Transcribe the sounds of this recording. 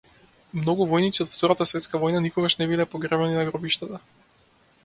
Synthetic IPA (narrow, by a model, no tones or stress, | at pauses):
mnɔɡuvɔjnit̪siɔt̪ft̪ɔɾat̪asvɛt̪skavɔjnanikɔɡaʃnɛbilɛpɔɡɾɛvɛninaɡɾɔbiʃt̪at̪a